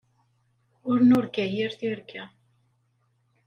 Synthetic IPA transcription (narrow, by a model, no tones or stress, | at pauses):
ʊɾnʊɾkæjɪɾθiɾkʰæ